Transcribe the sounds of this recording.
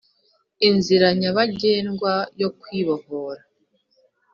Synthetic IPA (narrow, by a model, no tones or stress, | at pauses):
inziɾaɲaβaɟe̞ːnɡwajo̞kwiːβo̞hoːɾa